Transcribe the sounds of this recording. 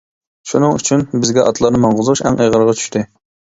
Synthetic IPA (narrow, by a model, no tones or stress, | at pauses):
ʃunɨŋy̰t͡ʃʰynbɪzɡʲɛʔɑt̪ʰlˠɑɾnɨmɑɴʁʊzʁuʃɛŋʔejʁəɾʁɑt͡ʃʰy̥ʃt̪ʰɪ